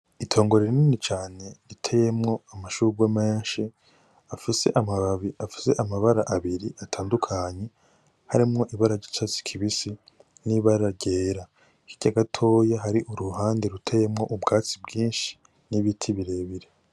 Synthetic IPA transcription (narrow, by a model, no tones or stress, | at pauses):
itʰo̞ːŋɡo̞ɾeɾiniːnit͡ʃaːne̞ɾitʰejemŋo̞amaʃuɡwameːɲʃi | afise̞̰ʔamaβaβiafi̥se̞ʔamaβaɾaʔaβiɾiʔatʰaːndukʰaɲe̞ | haɾimŋo̞ʔiβaɾaɾɟit͡ʃat͡si̥kʰiβisi | niβaɾaɾɟeːɾa | kiɟ̥aɡatʰo̞ːjaɦaɾiʔuɾuhaːndeɾutʰeje̞mŋo̞ʔubɡaːt͡sibɡiːnʃi̥ | niβitʰiβiɾe̞ːβiɾe